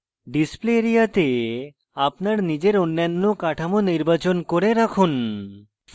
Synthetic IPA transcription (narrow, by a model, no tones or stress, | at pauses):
ɖispleɾijat̪e | apnaɾnid͡ʒeɾonːanːokaʈʰamoniɾbat͡ɕonkoɾeɾakʰun